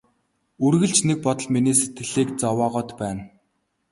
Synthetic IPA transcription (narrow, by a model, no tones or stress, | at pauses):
urɣɘ̆ɮt͡ɕnek̚pɔt̪ɞ̆ɮminiːset̪ɡɘ̆ɮiːk̚t͡sɔwaːʁɔːt̪pæːn